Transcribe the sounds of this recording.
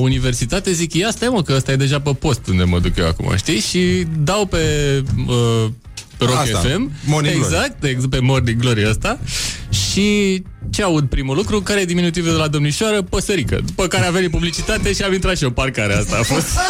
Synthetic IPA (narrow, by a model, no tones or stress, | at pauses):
unive̞rsit̪at̪ezikjast̪ajemukəəst̪aje̞d̪e̞ʒapəpo̞st̪und̪e̞mə̰d̪ukjewa̰kuma̰ʃt̪iʃid̪awpe̞ə | peɾokefe̞mmoneɡzak̚t̪epe̞morniɡlo̞ɾieəst̪aʃi | t͡ʃe̞aud̪̚pɾimulukɾukaɾeed̪iminut̪̬ived̪elad̪o̞mniʃoaɾəpəsəɾikə̰d̪upəkaɾeavenipublit͡ʃit̪at̪e̞ʃiamint̪ɾat̪ʃio̞parkaɾeast̪aːfo̞st̪